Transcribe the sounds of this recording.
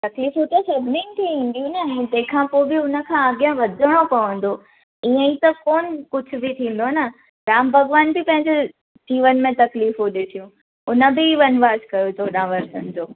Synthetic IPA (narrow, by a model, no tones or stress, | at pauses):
t̪ɐkliːfɦut̪esɐbʱninɪ̆t̪ʰiʋĩːn̆d̪ijũnɐ̃d͡ʑ̪ɐ̃ɦɪ̃kʰãpoːɪbɪʊnə̆kʰãɐɡjãʋɐd̪ʱəɽ̃opɐʋə̃n̆d̪o | iə̃ĩt̪ɐkoːnkʊd͡ʑʱʊ̆bɪt̪ʰĩːn̆d̪onɐ | ɡɾaːmbʱɐɡʋaːnbɪpɐ̃ɦɪ̃ɲd͡ʑe | d͡ʑiːʋənmẽt̪ɐkliːfɦuɗɪʈʰijũ | ʊnə̆bɪiʋɐnʋaːskɐjod͡ʑoːɗãːʋɐɾsənɪ̆d͡ʑoː